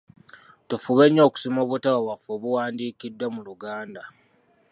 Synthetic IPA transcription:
tufuβeɲːo̞ːku̥simo̞ːβutaβawafoβuwaːndiːkidːwamuluɡaːnda

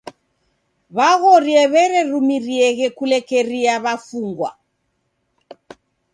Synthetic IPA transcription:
βaɣɔɾiɛβɛɾɛɾumiriɛɣɛkulɛkɛɾiaβafuŋɡwa̰

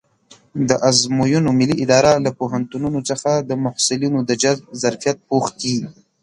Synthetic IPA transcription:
d̪əʔazmojunomɪlːiʔɪd̪ɑɾalapoɦant̪ununot͡səxad̪əmʊhsɪlinod̪əd͡ʒazbzaɾfijat̪̚poxk̪i

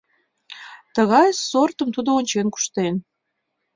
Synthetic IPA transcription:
t̪əɣɑjsort̪əmt̪ud̪oonʲt͡ɕenku̥ʃt̪en

